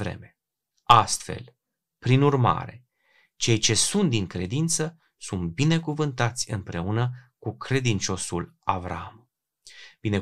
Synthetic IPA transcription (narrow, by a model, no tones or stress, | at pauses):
vɾe̞̰me | ast̪fe̞̰l | pɾinurma̰ɾe̞ | t͡ʃe̞jt͡ʃe̞sunt̪̚d̪iŋkɾe̞d̪int̪sə | sunt̪̚bine̞kuvɨnt̪at̪sʲɨ̰mpɾe̞unəkukɾe̞d̪int͡ʃo̞sulavɾa̰am | b̥ine̞